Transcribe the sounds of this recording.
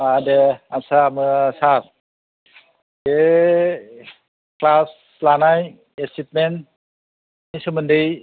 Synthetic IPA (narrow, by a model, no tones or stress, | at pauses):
adeansamɯsaɾ | de | klas | lanaj | esit̚men | isɯmɯndɯj